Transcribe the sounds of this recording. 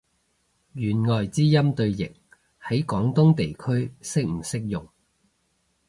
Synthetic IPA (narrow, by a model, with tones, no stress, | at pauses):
jyː˨˩nŋɔː˨jt͡siː˥jɐ˥mt̪ɵ˧ɥjɪ̰˨˩k̚ | hɐ˨˥jkɔː˨˥ŋt̪ʊ˥ŋt̪e˨jkʰɵ˥ɥsɪ˥k̚m̩˨˩sɪ˥k̚jʊ˨˩ŋ